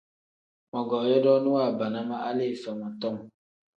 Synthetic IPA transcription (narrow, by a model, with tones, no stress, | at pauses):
mɔ˨ɡɔː˨jɔ˦dɔ˦nu˦wa˦˨ba˨na˦ma˦ʔa˦li˦˨fɛ˨mɔ˨tɔ˦˨m